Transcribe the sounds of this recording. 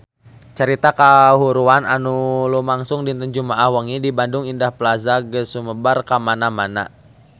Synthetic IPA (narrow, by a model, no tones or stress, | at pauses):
t͡ʃəɾit̪akaɦuɾuana̰nulumaŋsʊŋdint̪əɲd͡ʒumaʔahwəŋidibandʊŋindahplazaɡəsuməbarkamanamana̰